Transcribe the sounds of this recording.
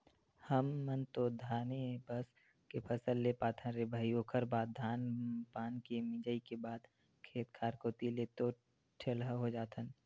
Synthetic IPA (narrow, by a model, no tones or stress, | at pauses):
həmːənt̪od̪ʱaːnebəs | kepʰəsəlːepaːt̪ʰə̃nɾebʱəiokʰəɾbaːd̪̚d̪ʱaːnpaːnkemɪ̃d͡ʒəikebaːd̪ | kʰeːt̪kʰaːɾkot̪ileːt̪o | ʈʰelɦəɦod͡ʒaːt̪ʰən